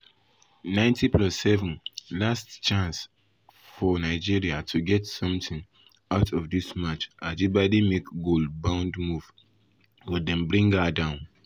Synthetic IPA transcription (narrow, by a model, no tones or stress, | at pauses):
nãɪ̃ntʰiplɔsːɛvə̃nlastt͡ʃãns | fɔnaɪd͡ʒiɹiatʰuɡɛtsʌ̃mθɪ̃ŋ | aʊtʰɔvdismat͡ʃad͡ʒibadimekɡolbãʊ̃ndmuv̥ | wɪdɛ̃nbɹĩŋɡadãʊ̃n